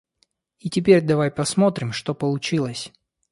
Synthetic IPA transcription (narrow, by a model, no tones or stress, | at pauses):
itʲɪpʲeɾʲd̪ɐvajpɐsmo̞t̪ɾʲɪmʂt̪o̞pəlˠʊt͡ɕilˠəsʲ